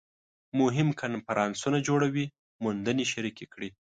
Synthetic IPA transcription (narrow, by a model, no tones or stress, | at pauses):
mʊɦɪmkʰanfaɾʔɑnsunad͡ʒoɽawi | mund̪əneʃaɾikekɽi